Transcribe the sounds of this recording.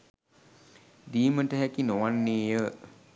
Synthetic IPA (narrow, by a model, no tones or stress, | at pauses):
d̪iːməʈəɦækinoʋanːeːjə